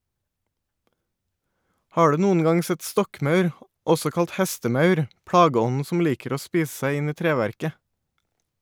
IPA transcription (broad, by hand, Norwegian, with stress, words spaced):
ˈhɑː ˈɖʉː ˈnuːən ˈɡɑŋ ˈsɛt ˈstɔkˌmɑʉɾ ˈɔsɔ ˈkɑlt ˈhɛstəˌmɑʉɾ ˈpɽɑːɡəˌɔnn̩ ˈsɔm ˈliːkəɾ ˈoː ˈspiːs ˈsæɪ ˈɪn ˈiː ˈtɾeːʋæɾkə